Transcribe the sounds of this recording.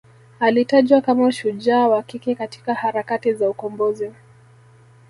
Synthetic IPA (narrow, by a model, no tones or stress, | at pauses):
alitaʄwakamaʃud͡ʒaːwakikɛkati̥kahaɾakatizaukɔmbɔzi